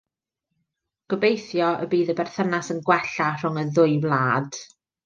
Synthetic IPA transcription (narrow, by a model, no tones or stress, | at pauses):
ɡ̥əbejθjɔə̰biːðəbɛrθənasənɡwɛɬar̥ʊŋəðʊɨvlˠaːd̥